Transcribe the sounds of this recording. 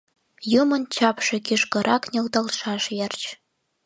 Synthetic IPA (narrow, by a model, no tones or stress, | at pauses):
jumɤ̆nt͡ɕɑpʃĕkiʃkɤ̆ɾʔɑknʲelt̪ɑlʃɑʃjert͡ɕ